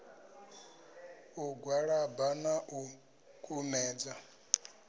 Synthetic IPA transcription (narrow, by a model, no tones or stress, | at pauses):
uɡwaɺabanaʔu | kʼʰumɛːd͡za